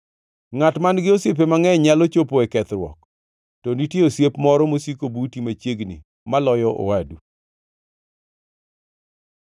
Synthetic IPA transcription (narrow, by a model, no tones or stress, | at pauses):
ŋatmanɡɪosjep̬emaŋɛɲalot͡ʃopoɛkɛt̪ɾwɔ̰k | tɔnitjeosjepmɔɾɔmosikobutimat͡ʃjeɡnḭ | malɔjɔʔo̰wadu